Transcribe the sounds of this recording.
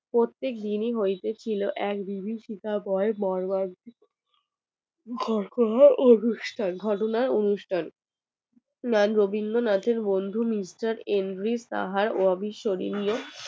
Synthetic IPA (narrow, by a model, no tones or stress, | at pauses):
pɾot̪ːek̚d̪iniɦojt̪et͡ɕʰiloʔɛkbʱibʱiʃik̪abɔebɔɾbaɾ | ɡʱɔɾkʰonaɾonuʃʈʰanɡʱɔʈonaɾonuʃʈʰan | nanɾobʱiŋɡonat̪ʰeɾbond̪ʱumisʈaɾenɖɾist̪a̰ɦaɾoabʱiʃoɾḭnio